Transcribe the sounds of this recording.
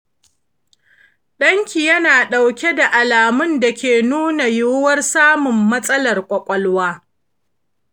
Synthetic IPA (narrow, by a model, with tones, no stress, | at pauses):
ɗɐ˦ŋkʲi˨jɐ˦naː˨ɗa˨wkʲe˦da˨ʔa˨laː˨mʊ˦nda˨kʲeː˨nuː˦na˨jʊ˦wɐ˦rsaː˦mʊ˨mːɐ˦sʼɐ˦lɐ˨rkʷʼɐ˨kʷʼɔ˦lwaː˦